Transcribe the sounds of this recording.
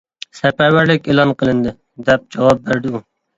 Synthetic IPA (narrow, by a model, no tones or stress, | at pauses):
sɛpæɾwæɾlɪkʲelˠɑnqʰəlˠɨnd̪ɪ | d̪ɛp̚d͡ʒɑwɑp̚bæɾd̪ɪu